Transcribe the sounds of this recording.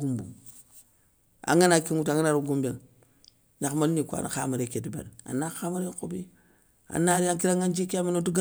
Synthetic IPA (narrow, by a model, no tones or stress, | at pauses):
ɡumbṵ | a̰ŋanakiŋutaŋanaɾuɡumbeŋ | ɲakmalinikʷa̰na̰xa̰maɾekedibḛɾa̰naxamaɾekobi | a̰naɾiaŋkiɾaŋɡand͡ʒikaminotuɡa